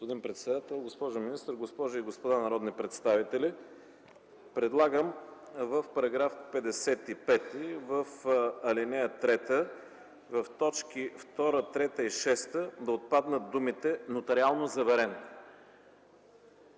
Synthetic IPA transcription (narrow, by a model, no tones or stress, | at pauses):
opod̪inpɾɛt̪sɛd̪at̪ɛlˠɡospɔʒʊminist̪əɾɡospɔʒʊiɡospod̪anɐɾɔd̪nipɾɛt̪st̪avit̪ɛli | pɾɛd̪lˠaɡəm | vəfpɐɾɐɡɾafpɛd̪ɛsɛt̪ipɛt̪ivəfɐlinɛjət̪ɾɛt̪ə | vɐft̪ɔt͡ʃkift̪ɔɾət̪ɾɛt̪əiʃɛst̪əd̪ɐot̪̚pad̪nət̪̚d̪umit̪ɛnot̪ɐɾialˠnozɐvɛɾɛn